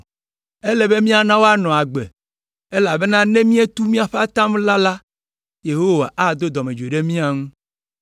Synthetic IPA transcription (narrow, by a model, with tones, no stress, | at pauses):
e˦lɛ˦be˦mĩ˦a˨nã˦wo˦a˦nɔ̃˨a˨ɡ͡bḛ˨ | e˦la˨be˦nã˦nɛ̃˦mĩ˦e˦t̪u˦mĩ˦a˨ɸe˦a˦t̪ã˦m˦la˦la˦ | je˨ɦo˦wa˨ʔa˨d̪o˦d̪ɔ˨mẽ˨d͡ʒe˨ɖe˦mĩ˦a˨ŋũ˦